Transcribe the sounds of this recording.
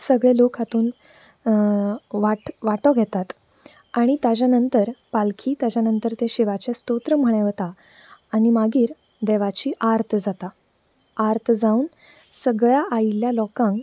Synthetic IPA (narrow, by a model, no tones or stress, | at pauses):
səɡɭelokʰat̪uːn | ʋaʈʋaʈɔɡʱɛt̪at̪ | aɽ̃it̪jad͡ʑjanənt̪əɾpalkʰiːt̪jad͡ʑanənt̪əɾt̪ẽɕiʋat͡ɕẽst̪ot̪ɾəm̤əɭ̃ẽʋət̪aː | ɽ̃imaɡiːɾ | d̪ɛʋat͡ɕiːʔaɾt̪ʰd͡zat̪a | aɾt̪ʰd͡zauːn | səɡɭjaʔailjalɔkãŋk